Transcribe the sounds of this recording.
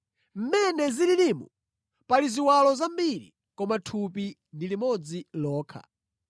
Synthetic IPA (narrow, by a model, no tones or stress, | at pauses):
m̩mɛnɛzililimṵ | paliziwalɔzambiɾḭ | kɔmatʰupi | ndilimɔd͡zilɔːkʰa̰